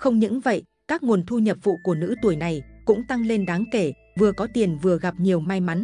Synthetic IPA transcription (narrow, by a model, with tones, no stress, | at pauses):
xə˧wŋ͡mɲɨ̰˧˥ŋvə̰˧˨jʔ | kaː˦˥k̚ŋo˨˩ənt̪ʰu˧ɲə˨˩p̚v̥ṵ˧˨ku˧˩ənɨ̰˧˥t̪u˧˩əjna˨˩jkʊ̰˧˥ŋ͡mt̪a˧ŋle˧nɗaː˨˦ŋke˧˩ | vɨ˨˩əkɔ˨˦t̪i˨˩ənvɨ˨˩əɣa˨˩p̚ɲi˨˩əwmaː˧jma˨˦n